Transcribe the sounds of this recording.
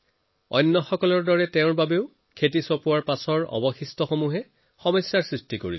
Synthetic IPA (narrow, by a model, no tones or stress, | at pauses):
ɔ̰jnːɔxɔkɔlɔɹdɔɹɛtɛʊ̃ɹbabeʊ | kʰetisɔpʊaɹpasɔɹɔ̰bɔxistɔxomuɦɛ | xɔmɔjsːaɹsɹistikoɹḭl